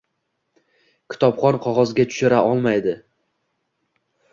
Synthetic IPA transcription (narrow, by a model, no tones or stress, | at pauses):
kʲʰɪ̥t̪ʰɒpχɒnqʰɒʁɒzɡʲat̪ʰʊ̥ʃɪɾaʔɒlˠmajd̪ɪ